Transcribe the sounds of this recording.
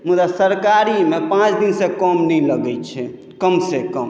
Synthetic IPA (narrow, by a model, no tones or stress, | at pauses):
mud̪asəɾkaɾimepãt͡ʃd̪insẽkɔmniləɡɛt͡ʃʰɛ | kəmsekəm